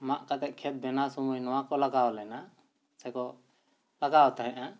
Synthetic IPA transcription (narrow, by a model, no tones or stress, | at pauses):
maʔkat̪ɛʔ̚kʰɛt̪̚bɛnasɔmujnɔwãkɔlaɡaɔlɛna | sɛkɔ | laɡaɔt̪aɦɛ̃ʔa